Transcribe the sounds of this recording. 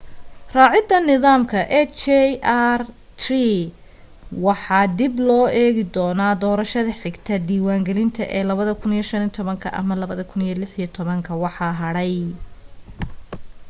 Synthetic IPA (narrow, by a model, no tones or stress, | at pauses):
rɑːʕɪd̪ːɐnɪðaːmkʰɐʔɛt͡ʃɛʔr | t̪ri | wɑħɑːd̪ɪblɔːʔɛːɣɪd̪ɔːnaːd̪ɔːɾɐʃɐðɐħɪɡt̪ʰɐd̪iːwaːŋɡɛlɪnt̪ʰɐ̰ʔɛːlɐβɐðɐkʰʊnijɔʃɐnit̪ʰɔβɐŋkʰɐ̰ʔɐ̰mɐlɐβɐðɐkʰʊnijɔlɪħijɐt̪ʰɔβɐŋkʰɐwɑħɑːɦɐɽɛj